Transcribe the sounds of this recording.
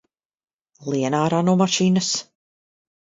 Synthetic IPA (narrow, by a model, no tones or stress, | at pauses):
lˠiɛnaːɾanɔmaʃiːnəs